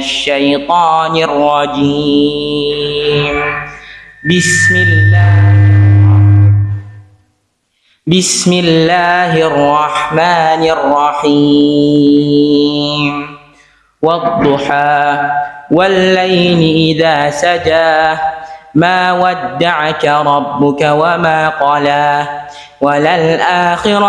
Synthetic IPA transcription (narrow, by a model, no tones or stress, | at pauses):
ʃːajt̪ˤɑːnɪrˤːɑd͡ʒi | m | bɪsmɪlː | bɪsmɪlːaːɦrˤːɑħmaːnɪrˤːɑħi | m | wɑd̪ˤːʊħaː | walːajnɪʔɪðaːsad͡ʒaː | maːwad̪ːaʕakaɾˤɑbːʊkawamaːqɑːlaː | walalʔaːxɪɾ